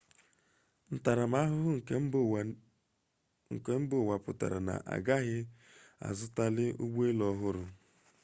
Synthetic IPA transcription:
n̩˦ta˨ɾa˨ma˦ɦʊ˦ɦʊ˦ŋ̩˨˦ | ŋ̩˨ke˦m̩˦bʊ˦˨wa˨pʊ˨ta̰˨ɾa̰˨na̰˨ʔa̰˨ɡa˦ɣɪ˦ | a̰˨zʊ˦ta˦lɪ˦ʔu˦ɡ͡be˦lɔ˦ɦʊ˦ɾʊ˨

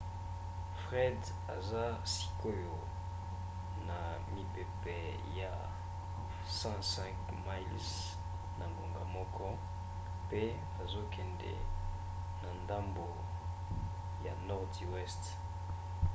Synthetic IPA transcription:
fʁɛ˦d | a̰˨za˦si̥˨ko˦jo˨ | na˨ | mi˨pe˨pɛ˨ | ja˨ | sã˦sɛ̃˦ŋk | ma˦ls | na˨ŋɡo˨ŋɡa˨mɔ˦kɔ˦ | pe˦ | a˨zo˦kʰɛ˨ndɛ̰˨ | na˨nda˦mbo˨ | ja˨nɔ˦ʁdi˨wɛ˦st

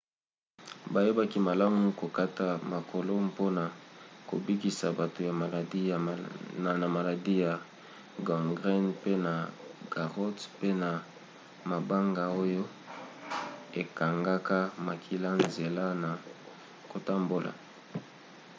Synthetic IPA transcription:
ba˨je˦ba˦ki˦ma˨la˦mu˦ko˨ka˦ta˨ma˨kʰo˨lo˦mpo˦na˨ko̰˨bi˦ki˨sa˨ba˨to˨ja˨a˨la˨na˨ma˨la˨di˦ja˨ | ɡɔ˨ŋɡʁɛ˦npe˦na˨ɡ̥a˨ʁɔ˦tpe˦na˨ | ma˨ba˦ŋɡa˨o˦jo˦ | e˨ka˨ŋɡa˦ka˦ma˨kʰi˨la˦nze˨la˦na˨ | ko˨ta˦mbo˦lʔa̰˨

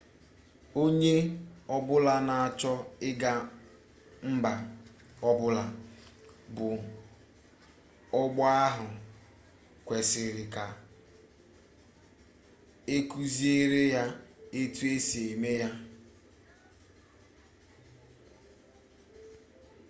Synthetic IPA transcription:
o˦ɲe˦ɔ˦bʊ˦la˦na˨a˨t͡ʃɔ˦ɪ˦ɡa˦ | m̩˦ba˨ | ɔ˦bʊ˦la˨ | bʊ˨ | ɔ˦ɡ͡bɔ˦a˦ɦʊ˨ | kʷe˨sɪ˨ɾɪ˨ka˨ | e˦ku˦zi˦e˦ɾe˦ja˦e˦tu˦e˦si˨e˨me˦ja˦

